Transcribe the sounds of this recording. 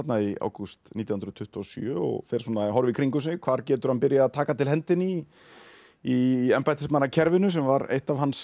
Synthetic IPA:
at̪naia̰wkust̪niːt̪jahnɾʏt̪ʰʏht̪ɔsjœɔ̰ɣfɛɾ̥suːnaɦɔɾvɪkʰɾiŋkʏsɪnɪkʰv̥aːɾcɛːt̪ʏɾ̥hanpɪɾjaːðt̪ʰaːkat̪ʰɪlhɛnt̪ɪni | ɛmpajt̪ɪsmanːacʰɛɾvɪnʏs̬ɛmvaɾḛjht̪avɦans

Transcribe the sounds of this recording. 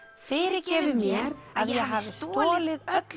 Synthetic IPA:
fɪɾɪɾcɛːvɪmjɛɾaðjɛɣɦaːvsɪt̪ɔːlɪðœt̪l

